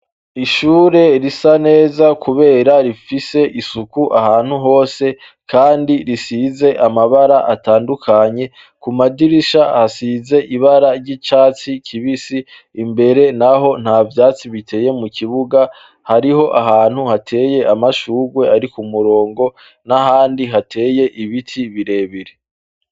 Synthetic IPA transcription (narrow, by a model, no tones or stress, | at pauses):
iʃuːɾe̞ɾisane̞ːzakuβe̞ːɾaɾifise̞ʔisukuʔaɦaːn̥huɦo̞ːse̞ | kʰaːndiɾisize̞ʔamaβaɾaʔataːndukʰaɲe̞ | kumadiɾiʃahasize̞ʔiβaɾaɾɟit͡ʃaːt͡sikʰiβisiː | mbe̞ɾe̞naɦo̞n̥haːvjaːt͡siβitʰe̞ːje̞mukiβuɡa | haɾiɦo̞ʔahaːn̥huhatʰe̞ːje̞amaʃuːɡwe̞ʔaɾikumuɾo̞ːŋɡo̞ | naɦaːndiɦatʰe̞ːje̞ʔiβitʰiβiɾe̞ːβiɾe